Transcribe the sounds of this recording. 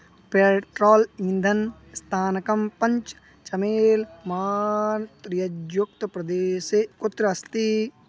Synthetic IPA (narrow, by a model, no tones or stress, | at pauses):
peʈɾoːlind̪ʱɐn | st̪ʰaːnɐkɐmpɐɲt͡ʃ | t͡ʃɐmeːlmaːnt̪ɾijɐd͡ʒjuk̚t̪ɐpɾɐd̪eːsekot̪ɾɐɐst̪i